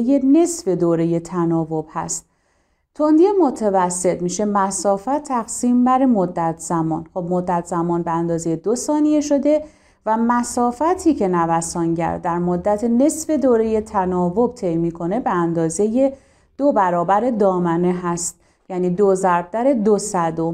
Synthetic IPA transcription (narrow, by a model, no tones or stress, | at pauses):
je̞ne̞sfe̞d̪oːɾe̞je̞t̪ʰænɒːvo̞b̥hæ̰st̪̚ | t̪ʰo̞nd̪iemo̞t̪ʰevæsːe̞t̪miːʃe̞mæsɒːfæt̪ʰːæɣsiːmbæɾemod̪ːæt̪ʰz̥æmɒːnxo̞b̚mo̞d̪ːæt̪ʰzæmɒːnbeænd̪ɒːzejed̪osɒːnieʃo̞d̪e̞ | væmæsɒːfæt̪ʰiːcʰe̞nævæsɒːnɟæ̰ɾd̪æɾmod̪ːæt̪ʰene̞sfe̞d̪oːɾeje̞t̪ʰænɒːvo̞b̚t̪ʰe̞jmiːkʰo̞ne̞be̞ænd̪ɒːze̞je̞ | d̪̥obæɾɒːbæɾe̞d̪ɒːmæne̞ɦæst̪̚ | jæniːd̪ozæɾb̚d̪æɾe̞d̪osæd̪om